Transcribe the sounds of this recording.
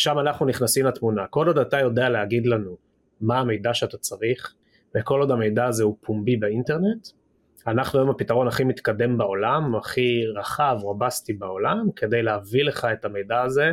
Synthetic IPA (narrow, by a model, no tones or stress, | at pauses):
ʃamanaχnuniχnasimlatmunako̞lo̞datajo̞dealeɦaɡid̪lanu | maːme̞jdaʃeatat͡saʁiχ | veko̞lo̞dhame̞jdaːzeupʰumbibeinte̞ʁne̞t | anaχnuomapitaʁo̞naχimit̪kade̞mbao̞lamaχiʁaχavʁabast̪ibao̞lamke̞d̪e̞jleavile̞χae̞tame̞jdaːze̞